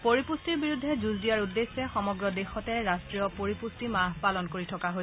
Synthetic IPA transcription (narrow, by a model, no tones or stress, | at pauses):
poɹipustiɹbiɹudʱːɛzuzdijaɹudːesːɛxɔmɔɡɹɔdexɔtɛɹastɹijɔpoɹipustimaɦpalɔnkoɹitʰɔkaɦo